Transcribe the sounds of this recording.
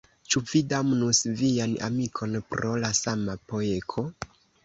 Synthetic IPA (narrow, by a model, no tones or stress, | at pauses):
t͡ʃuvidamnusviana̰mikʰo̞npɾo̞lasamapo̞ekʰo̞